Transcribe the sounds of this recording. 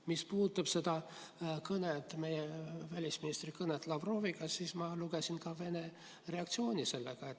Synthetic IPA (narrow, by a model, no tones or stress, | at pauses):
mispuːt̪ːˑɑb̥se̞d̪̥ɑkɤnet̪ːˑme̞jevælʲisminist̪rikɤnet̪ːˑlɑvro̞ːviɡ̥ɑsiːsmɑluɡesinkɑve̞ne | re̞ɑk̚t̪sio̞ːnʲise̞lːeɡ̥ɑet̪ː